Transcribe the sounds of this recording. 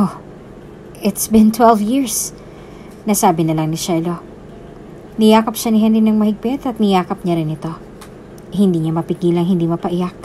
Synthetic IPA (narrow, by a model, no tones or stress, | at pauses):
ʔo | ʔɪt̪sbɪnt̪wɛlvjiɹs | nɐsaːbɪnɐlɐŋnɪʃɛlo̞ | nɪjaːkɐpʃanɪɦɛnɾinɐŋmɐhɪɡ̚pɛt̪ɐt̪̚nɪjaːkɐp̚ɲaɾɪnɪt̪o̞ | hɪnd̪iːɲamɐpɪɡiːlɐŋɦhɪnd̪imɐpɐʔɪjak̚